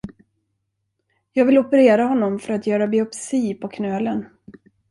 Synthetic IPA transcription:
jɑːɡvɪlɔpəɾeːɾahɔnːɔmfœɾat̪jœːɾabɪɔpsiːpʰɔkʰnœːlən

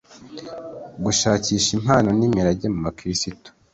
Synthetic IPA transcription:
ɡuʃaːciːʃim̥haːno̞niːmiɾaɟemumakiɾisito̥

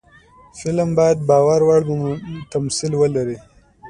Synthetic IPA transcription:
fɪlmbɑjad̪̚bɑwaɾwaɽt̪amsilwəlaɾi

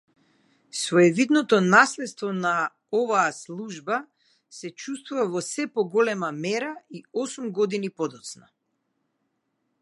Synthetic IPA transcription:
svɔɛvid̪nɔt̪ɔnaslɛt̪st̪vɔna | ɔvaːslˠuʒba | sɛt͡ʃust̪vuvavɔsɛpɔɡɔlɛmamɛɾaiɔsumɡɔd̪inipɔd̪ɔt̪sna

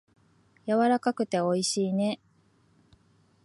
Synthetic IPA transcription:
jaβaɾakakɯ̟t̪e̞o̞iɕiːne̞

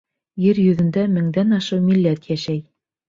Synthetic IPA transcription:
jɘɾjɵ̆ðɘ̆nd̪æmɘ̆ŋd̪ænɑʃɤwmilːæt̪jæʃæj

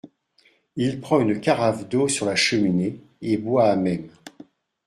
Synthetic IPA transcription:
ilpχɑ̃ynəkaʁavd̪osyʁlaʃəmine | ebwaːmɛm

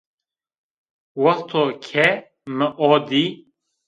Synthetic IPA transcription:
wɐxt̪ʰoːkʰɛ | məʔɔːd̪iː

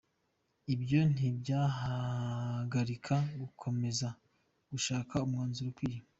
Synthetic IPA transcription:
ibjo̞n̥ibɟaːɦa | ɡaɾikʰaɡukʰo̞me̞za | ɡ̥uʃaːkʰaumŋaːnzuɾokwiːjim

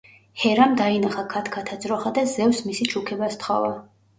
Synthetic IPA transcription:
hɛɾamd̪ainaχakʰat̪ʰkʰat̪ʰad̪zʼɾɔχad̪azɛvsmisit͡ʃʰukʰɛbast̪χɔ̰va

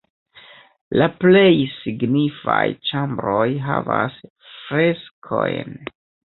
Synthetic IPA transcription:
laple̞jsiɡnifajt͡ʃambɾo̞jɦavas | fɾe̞skʰo̞jn

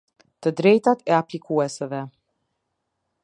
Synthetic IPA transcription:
t̪əd̪ɾɛjt̪at̪ɛaplikuɛsəvɛ

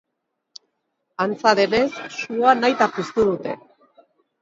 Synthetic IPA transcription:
ant͡saðene̞sːuanajt̪apist̪uðut̪e̞̰

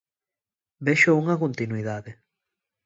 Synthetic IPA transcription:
beʃouŋɐkont̪inuiðaðe

